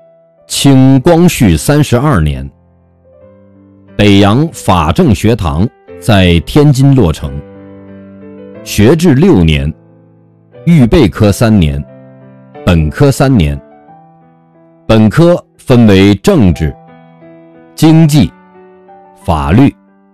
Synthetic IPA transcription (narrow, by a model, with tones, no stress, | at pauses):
t͡ɕʰi˥ŋkwɑ˥ŋɕy˥˩sa˥nʂɻ̩˧˥ɐ˞˥˩njɛ̰˧˥n | pe˨˩ɪjɑ˧˥ŋfa˨˩ʈ͡ʂɤ˥˩ŋɕɥɛ˧˥t̪ʰɑ̰˧˥ŋ | t͡sa˥˩ɪt̪ʰjɛ˥nt͡ɕi˥nlwɔ˥˩ʈ͡ʂʰɤ̰˧˥ŋ | ɕɥɛ˧˥ʈ͡ʂɻ̩˥˧ljo˥˩ʊnjɛ̰˧˥n | y˥˧pe˥˩ɪkʰɤ˥sa˥nnjɛ̰˧˥n | pə˨˩nkʰɤ˥sa˥nnjɛ̰˧˥n | pə˨˩nkʰɤ˥ | fə˥nwe˧˥ɪʈ͡ʂɤ˥˧ŋʈ͡ʂɻ̩˥˩ | t͡ɕi˥ŋt͡ɕi˥˩ | fa̰˨˩ly˥˩